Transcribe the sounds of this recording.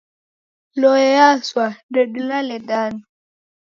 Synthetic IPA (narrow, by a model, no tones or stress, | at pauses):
lɔɛjaswadɔɗulalɛdan